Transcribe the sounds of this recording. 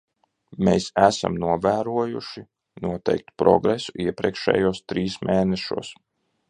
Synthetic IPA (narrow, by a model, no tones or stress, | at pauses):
meːsæsa̰mnuɔvæːɾuɔjuʃi | nuɔt̪ɛ̰jk̚t̪pɾɔ̰ɡɾesuʔiɛpɾʲiɛkʃɛ̰ːjuɔst̪ɾiːsmʔeːnɛʃṵɔs